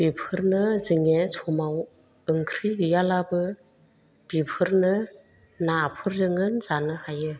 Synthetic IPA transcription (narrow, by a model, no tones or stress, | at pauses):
b̥ipʰɯɾnɯzɯŋesʰɔmaw | ɯŋkʰɾiɯjalabɯ | b̥ipʰɯɾnɯ | naːpʰɯɾzɯŋɯnzanɯhajɯ